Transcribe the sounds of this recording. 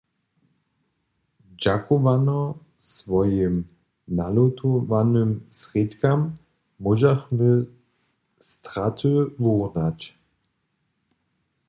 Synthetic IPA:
d͡ʑakɔvanɔ | svɔjɪm | nalɔt̪ɔvanɪmsʁɪt̪kamː | ɔʒaxmɪ | st̪ʁat̪ʰɨvɔʁnat͡ɕ

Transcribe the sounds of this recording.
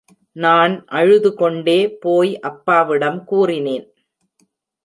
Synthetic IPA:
naːnʔɐɻɯðɯkɔɳɖeːpoːjʔɐpːaːʋɪɽɐmkuːrɪneːn

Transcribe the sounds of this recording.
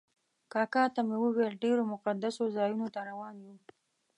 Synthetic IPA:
kɑkɑt̪amewəwelɖeɾomʊqad̪asozɑjunot̪aɾawɑnju

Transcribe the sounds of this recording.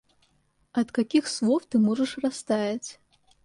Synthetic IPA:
ɐt̪kakʲixslˠɔwt̪ɨmɔʐɐʂrast̪ajʲɐt͡sʲ

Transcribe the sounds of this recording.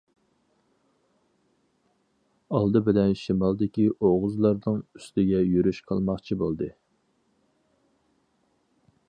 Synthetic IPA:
ɑlˠd̪ɨbɪlɛnʃimɑlˠd̪ɪkʲiʔoʁʊzlˠɑɾnɨŋyst̪ɪɡʲɛjyɾyʃqʰɑ̰lˠmɑχt͡ʃʰibolˠd̪ɨ

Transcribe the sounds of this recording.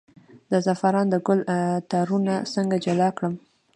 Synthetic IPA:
d̪əzafaɾɑnd̪əɡʊlt̪aɾunasəŋɡad͡ʒalɑkɽəm

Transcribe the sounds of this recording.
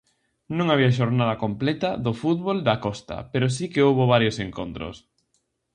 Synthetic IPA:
nõŋaβiaʃ̬oɾnað̞ɐkomplɛt̪ɐðofut̪βold̪akɔst̪ɐ̰peɾʊs̬ikeowβʊβaɾjoseŋkont̪ɾʊ̰s

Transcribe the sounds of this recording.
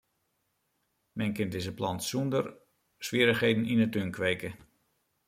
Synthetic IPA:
mɛnkɪndɪzəplɑ̰ntsundər | sʋiəɾəxheːdn̩inətønkʰʋeːkə

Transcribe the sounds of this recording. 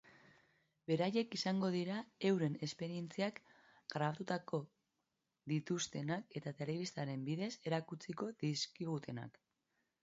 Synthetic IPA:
be̞ɾaje̞kisaŋɡo̞ðiɾae̞wɾe̞ne̞spe̞ɾie̞nt͡siak | ɡ̥ɾaβat̪ut̪ako̞ | ðit̪ust̪e̞nake̞t̪at̪e̞le̞βist̪aɾe̞mbiðe̞se̞ɾakut͡siko̞ðiskiɣ̞ut̪ʰe̞na̰k

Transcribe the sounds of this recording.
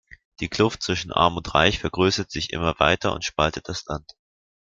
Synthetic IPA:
d̥iːkl̥ʊft̚t͡sv̥ɪʃn̩ʔa̰ɐmʊntʁa̰ɪçfɛɐɡʁøːsɐtz̥ɪçʔɪ̰mɐva̰ɪtɐʊ̰ntʃpaltət̚d̥aslant

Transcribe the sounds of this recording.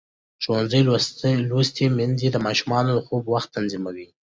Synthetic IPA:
ʒowanzəjlost̪emɪnzed̪əmɑʃumɑnod̪əxobwaxt̪ːanzimawi

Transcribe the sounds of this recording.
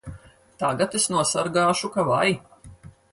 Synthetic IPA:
t̪aːɡat̪esnuɔsaɾɡaːʃukavaj

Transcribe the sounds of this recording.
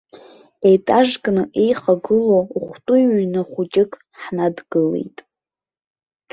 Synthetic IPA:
ejtʼaʒkʼnɨʔejχaɡɨlouχʷtʼuwnaχʷʊt͡ʃʼɪkʼ | ħnadɡɨle̞̰jtʼ

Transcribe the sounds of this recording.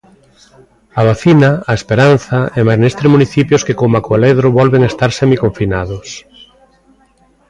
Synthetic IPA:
aβ̞aθinaːespeɾan̟θɐemanest̪ɾemuniθipjʊskekomakoaleðɾoβɔlβeŋest̪aɾsɛmikoɱfinaðʊs

